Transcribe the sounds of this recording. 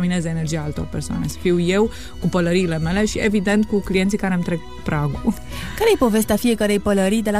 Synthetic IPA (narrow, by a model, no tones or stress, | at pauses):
minezəene̞rd͡ʒijaalt̪o̞̰rpḛrsoa̰nesfiwje̞w | kupələɾiːle̞me̞le̞ʃievid̪e̞nt̪̚kuklijent̪sikaɾemt̪ɾeɡ | pɾaɡu | kaɾejepo̞ve̞st̪eafijekəɾe̞jpələɾijd̪ela